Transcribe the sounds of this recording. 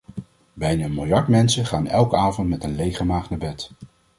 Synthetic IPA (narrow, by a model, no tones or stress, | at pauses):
bɛjnaːənmɪlˠjɑɹtmɛnsəχaːnɛlˠkəaːvɔntmɛtənlejχəmaːχnabɛt